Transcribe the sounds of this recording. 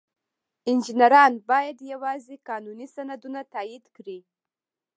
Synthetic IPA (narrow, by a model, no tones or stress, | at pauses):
ɪnd͡ʒɪnaɾɑnbɑjad̪jawɑzekɑnunisanad̪unat̪ɑjid̪kɽi